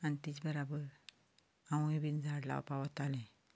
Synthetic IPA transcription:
anit̪it͡sbəɾabəɾ | ãw̃ibind͡zʱaɽla̰pawət̪alẽ

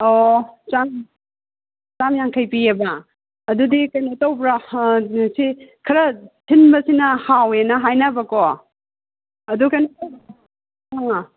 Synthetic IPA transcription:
ot͡ʃam | t͡ʃamjaŋkʰɐjpiɐbɐ | ɐdudikɐjnɐtɐwbɾa | sikʰɐɾɐtʰinbɐsinɐhawenɐɦajnabɐko | ɐdukɐjnɐtw | aŋa

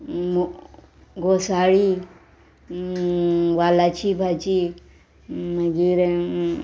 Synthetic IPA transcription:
m | ɡosaɽi | walat͡ʃʰibʱat͡ʃi | məɡiɾe

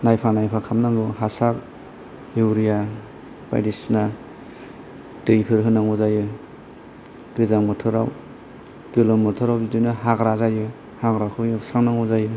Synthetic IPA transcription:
najpʰanajpʰakʰamnaŋɡɯɦasak̚ | ewɾija | b̥a̰jdisna | tɯjpʰɯɾɦɯnaŋuzajɯ | ɡ̥ɯzaŋmɯtʰɯɾaw | ɡɯlɯmːɯtʰɯɾawbidɯjnɯhaɡɾazajɯ | haɡɾakʰɯjɯsaŋnaŋɔzajɯ

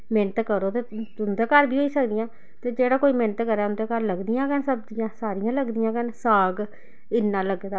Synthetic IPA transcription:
meːnət̪kəɾoːt̪eːʊnd̪eːkəɾbʱiːɦoːiːsəkd̪ɪjãː | t̪eːd͡ʒeːɽaːkoːiːmẽːnət̪kəɾɛːʊnd̪eːkəɾləɡd̪ɪjãːkənsəbd̪ɪjãːsaːɾijãːləɡd̪ɪjãːkənsaːɡ | ɪnːãːləɡd̪aː

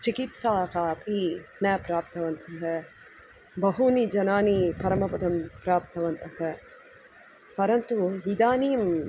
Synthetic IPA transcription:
t͡ʃikit̪saːkaːpʰinɛpɾaːp̚t̪ɐʋɐnt̪ʰɐɦɐ | bɐɦunid͡ʒɐnaːnipɐɾɐmɐpɐd̪ɐmpɾaːp̚t̪ɐʋɐnt̪ɐhɐ | pɐɾɐnt̪uɦid̪aːnijɐm

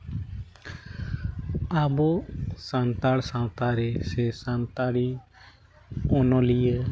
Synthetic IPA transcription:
abɔsant̪aɽsãw̃t̪aɾɛsɛsant̪aɽi | ɔnɔlijə

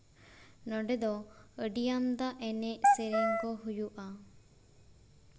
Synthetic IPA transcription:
nɔɖed̪ɔəɖijamd̪aʔɛneʔseɾeŋkɔɦujuʔa

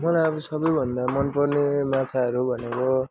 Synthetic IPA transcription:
mʌlajʌbʌsʌbʌjbʱʌnd̪amʌnpʌrnemat͡sʰaʌɾubʱʌneko

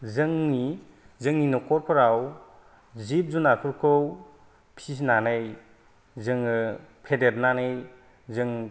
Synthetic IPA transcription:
zɯŋni | zɯŋninɔkɔɾkʰɔɾaw | zip̚zunakʰɯɾkʰɯw | pʰis̬nanɯj | zɯŋɯpʰedeɾnanɯj | zɯŋ

